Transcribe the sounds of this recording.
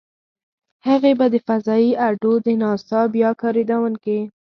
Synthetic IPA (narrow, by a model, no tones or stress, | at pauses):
haɣebad̪əfazɑiʔaɾɖod̪ənɑsɑbjɑkɑɾid̪awənke